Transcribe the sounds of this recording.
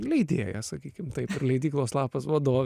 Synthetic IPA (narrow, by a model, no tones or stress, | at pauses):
lʲɛɪd̪ʲeːjɛsɐkʲiːkʲɪmt̪ɐɪpɪɾlʲɛɪd̪ʲiːklˠoːslˠɑːpɐsʋɐd̪oːʋʲ